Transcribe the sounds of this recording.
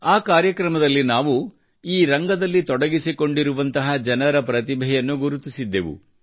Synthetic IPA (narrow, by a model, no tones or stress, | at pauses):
aːkaːɾjɐkɾɐmɐd̪ɐlːinaːʋu | iːɾɐŋɡɐd̪ɐlːit̪ɔɽɐɡisiko̞ɳɖiɾuʋɐnt̪ɐɦɐd͡ʒɐnɐɾɐpɾɐt̪̬ibʱɛjɐnːuɡuɾut̪isid̪ːeʋṵ